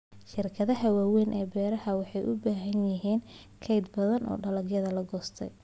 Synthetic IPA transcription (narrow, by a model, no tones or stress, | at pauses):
ʃɪrkʰɐðɐɦɐwaːwɛjnʔɛːbɛːɾɐhɐwɑħɑjʔʊbaːɦɐnjɪɦiːn | kʰɛjd̪̚bɐðɐnʔɔ̰ːɖɐlɐɡjɐðɐlɐɡɔːst̪ʰɛ̰j